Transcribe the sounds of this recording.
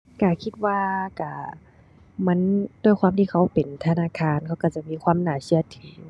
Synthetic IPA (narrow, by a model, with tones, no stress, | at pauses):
ka˧˩kʰi˧t̪̚waː˧ka˧˩ | ma˧˥˨ndu˧˥ə˨jkʰwaː˧˥˨t̪iː˧˨kʰa˧˥˩wpe˨˩nt̪ʰa˧naː˧˥˨kʰaː˧˥˨nkʰa˧˩wka˧˩t͡ɕa˧˩miː˧˥˨kʰwaː˧˥˨mnaː˨˩si˧˨ɐt̪ʰiː˧˦